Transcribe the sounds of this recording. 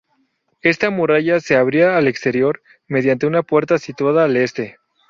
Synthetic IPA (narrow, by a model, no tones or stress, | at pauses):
e̞st̪amuɾaʝase̞aβ̞ɾiaːle̞kst̪e̞ɾjo̞ɾ | me̞ð̞jant̪e̞unapwe̞ɾt̪asit̪waðaːle̞st̪e̞